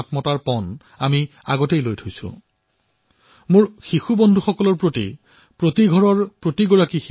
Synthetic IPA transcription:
tmɔtaɹpɔn | ami | a̰ɡɔtejlojtʰojsʊ̰ | mʊɹxixubɔndʱuxɔkɔlɔɹpɹotḭ | pɹotiɡʱɔɹɔɹpɹotiɡɔɹakix

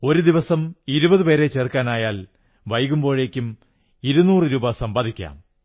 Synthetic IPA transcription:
o̞ɾud̪iʋɐsɐmiɾubɐðɨpeːɾe̞t͡ɕe̞ːrkaːnaːjaːl | ʋɐjɣumbo̞ːɻe̞ːkʲːum | iɾunːuːrɨɾuːbɐsɐmbaːd̪ikʲːa̰ːm

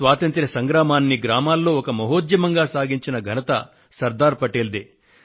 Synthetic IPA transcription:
ʋaːt̪ɐnt̪ɾɐsɐŋɡɾaːmaːnːiɡɾaːmaːlːo̞ːɔkɐmɐɦoːd̪jɐmɐŋɡaːsaːɡiɲt͡ʃinɐɡʱɐnɐt̪ɐ̰ | sɐɾd̪aːɾpɐʈeːld̪eː

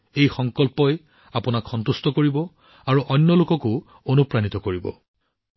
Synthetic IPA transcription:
ejxɔŋkɔlpɔj | apʊnakʰxɔnt̪ust̪ɔkoɹibɔ | aɹuʔɔnːɔlʊkɔko | onupɹanit̪ɔkoɹibɔ̰

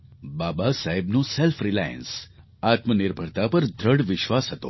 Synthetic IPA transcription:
babasaɦebnũselfɾilajə̰ns | at̪mənɪɾbʱəɽt̪apəɾd̪ʱɾəɽʋɪʃʋasɦət̪o̰

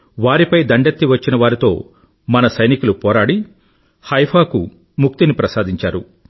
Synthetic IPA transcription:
ʋaːɾipɐjd̪ɐɳɖet̪ːiʋɐt͡ʃːinɐʋaːɾit̪o̞̰ː | mɐnɐsɐjnikulupɔːɾaːɽi | hɐjpʰaːku | muk̚t̪inipɾɐsaːd̪iɲt͡ʃaːɾu

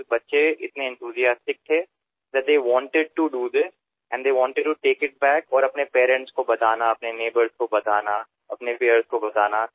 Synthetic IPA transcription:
bɐtːʃeɪt̪nẽɛ̃nt̪ʰuːzijaːsʈɪk̚t̪ʰe | d̪ɛʈ̚d̪eːʋɔ̃ːɳʈɪɖ̚ʈuɖuːd̪ɪs | ɛ̃ɳɖd̪eːʋɔ̃ːɳʈɪɖ̚ʈuʈeːkɪʈ̚bɛːkɔːɾɐpnepeːɾɛ̃ɳʈskobɐt̪aːnaɐpneneːbəɾzkobɐt̪aːna | ɐpnepeːəɾzkobɐt̪aːna

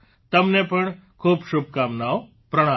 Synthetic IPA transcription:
t̪ɐmnepɐɳ̃ | kʰuːbʃʊb̚ʱkaːmnaːo | pɾɐɽ̃ãː

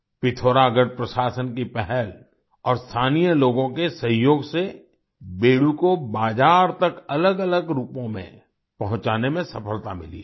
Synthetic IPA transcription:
pɪt̪ʰoːɾaɡəɽ̚pɾəʃaːsənkipɛɦɛl | ɔːɾst̪ʰaːnijəloːɡõkesə̃ɦjoːɡse | beːɽukobaːd͡ʒaːɾt̪ɐkɐləɡələɡɾuːpõmḛ̃ | pɐɦʊ̃t͡ʃaːnemẽsɐpəlt̪amɪ̰lḭː

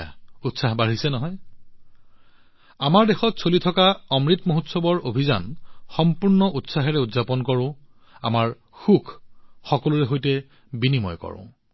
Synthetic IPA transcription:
autsaɦbaɹisɛnɔɦɔj | amaɹdexɔtsolitʰɔkaɔmɹitmoɦutsɔbɔɹobʱiza̰nxɔmpuɹnɔʔutsaɦɛɹɛutzapɔnkɔɹʊ̃ | a̰maɹ | xukʰxɔkɔluɹɛɦojtɛ | binimɔ̰jkɔ̰ɹʊ̰̃

